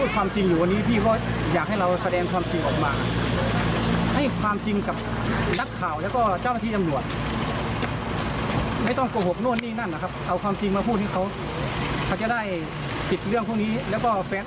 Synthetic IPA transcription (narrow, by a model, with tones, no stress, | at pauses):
uː˥˩t̪̚kʰwaː˧mt͡ɕi˧ŋjuː˨˩wa˧niː˦˥˩pʰiː˧˩kɔː˧˩jaː˨˩k̚ha˥˩jɾa˧wsa˧dɛː˧ŋkʰwaː˧mt͡ɕi˧ŋʔɔː˨˩k̚maː˧ | ha˥˩jkʰwaː˧mt͡ɕi˧ŋka˨˩p̚ | na˦˥kʰːaː˨˩wlɛː˧˥wkɔː˧˩t͡ɕa˧˩˨wna˥˩t̪ʰːt͡ɕmlu˨˩ət̪̚ | ma˥˩jt̪ɔ˥˩ŋko˧˩ho˨˩k̚nu˧˩ənːiː˧˥˨na˧˥˨nːa˧kʰa˦˥p̚ʔa˧wkʰwaː˧mt͡ɕi˧ŋmaː˧pʰuː˥˩ha˥˩kʰa˧˥˩w | kʰa˧˩wt͡ɕa˧˦da˥˩˨j | pi˨t̪̚lɯ˥˩əŋpʰu˧˥˩ŋniː˦˥˨lɛː˧˥wkɔː˧˩fɛː˧˥